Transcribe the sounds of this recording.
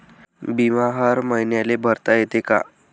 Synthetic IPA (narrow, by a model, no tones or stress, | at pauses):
bimaɦəɾməjnjalebʱəɾt̪ajet̪eka̰